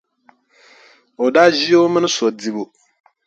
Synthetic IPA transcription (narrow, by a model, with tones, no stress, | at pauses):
ɔ˨da˦d͡ʑi˦o˦mɪ̃˦nʊ̃˦sɔ˨di˦bo˨